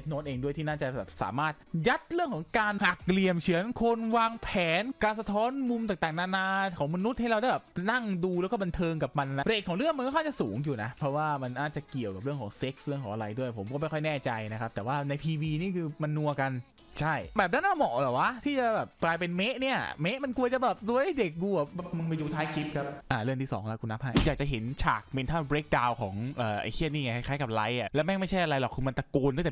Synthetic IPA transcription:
e˨˦˩t̪̚noː˦˥nʔeː˧ŋdu˥˩jt̪ʰiː˥˩naː˥˩t͡ɕa˨˩bɛː˨˩p̚sa̰ː˩˦maː˥˩t̪̚ja˦˥t̪̚ɾɯ˥˩əŋkʰɔː˩˦ŋkaː˧nha˨˩k̚li˨˩əmt͡ɕʰi˨˩˦ənkʰo˧nwaː˧ŋpʰɛː˨˩˦nkaː˧nsa˧t̪ʰɔː˦˥nmu˧mt̪aː˨˩t̪aː˨˩ŋnaː˧naː˧kʰɔː˩˦ŋma˧nu˦˥t̪̚ha˥˩jɾa˧wda˥˩jbɛː˨˩pna˥˩ŋduː˧lɛ˦˥wkɔ˥˩ba˧nt̪ʰɤː˧ŋk̬a˨˩p̚ma˧nʔa˨˧nːa˦˥ɾeː˨˩k̚ʰɔː˩˦ŋɾɯ˥˩əŋm˧nkɔ˥˩aː˥˩t͡ɕa˨˩suː˩˦ŋjuː˨˩na˦˥pʰɾɔ˦˥waː˥˩ma˧nːaː˥˩t͡ɕa˨˩ki˨˩əwka˨˩pɾɯ˥˩əŋkʰɔː˩˦ŋse˦˥k̚sɾɯ˥˩kʰɔː˩˦ʔa˧ɾa̰˧jdu˥˩əjpʰo˩˦mkɔː˥˩ma˥˩jkʰɔ˥˩jnɛː˥˩t͡ɕa˧jna˦˥kʰa˦˥p̚t̪ɛː˨˩waː˥˩na˧jpʰiː˧wiː˧niː˥˩kʰɯː˧ma˧nːu˧ɐka˧n | t͡ɕʰa˥˩jbɛː˨˩p̚na˦˥naː˥˩mɔ˨˩lɛː˨˩wa˦˥t̪ʰiː˥˩t͡ɕa˨˩bɛː˨˩p̚klaː˧jpe˧nme˦˥ʔni˥˩ɐme˦˥ʔma˧nku˧ɐt͡ɕa˨˩bɛː˨˩p̚du˧əʔa˥˩jde˨˩k̚ɡu˧˩ɐ˩˦˥mɯ˧ŋmi˧juː˧t̪ʰaː˦˥jkʰi˦˥p̚kʰa˦˥p̚ʔaː˧˩ɾɯ˥˩əŋt̪iː˥˩sɔː˩˦ŋkʰa˦˥kʰu˧nːa˦˥p̚ɦa˦˥˩jjaː˨˩k̚t͡ɕa˨˩ɦe˩˦nt͡ɕʰaː˨˩k̚pe˧nt̪ʰaː˥˩bɾeː˦˥k̚daː˧wkʰɔː˩˦ŋʔəː˨˩ʔa̰˧jkʰi˥˩əniː˥˩ŋa˧˩kʰa˥˩kaː˦˥jka˨˩p̚la˦˥jʔa˨˩lɛ˦˥wmɛ˥˩ma˥˩jt͡ɕʰa˥˩ʔa˧ɾa˧jlɔ˨˩kʰːɯː˧m˧nt̪a˧kuː˧nː˥˩t̪

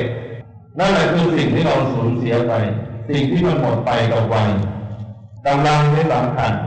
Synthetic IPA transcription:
naː˥˩la˧˩kʰɯː˧si˨˩ŋt̪ʰiː˥˩ɾa˧suː˩˦nsi˩˦ɐpa˧jsi˨˩ŋt̪ʰiː˥˩ma˧nmo˨˩t̪̚pa˧jka˨˩p̚wa˧j | ka˧mlaː˧ŋtaː˥˩sa˩˦mkʰa˧n

